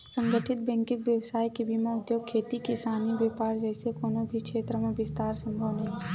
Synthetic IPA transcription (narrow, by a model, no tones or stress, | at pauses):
sə̃ŋɡəʈʰɪt̪̚bɛ̃ŋkɪkbjəwsaːjkebimaʊd̪joːɡ̚kʰːeːt̪ikisaːnibeːpaːɾd͡ʒɛːsekoːnobʱikʃeːt̪ɾəmẽbɪst̪aːɾsə̃mbʱəʋnəɦɛ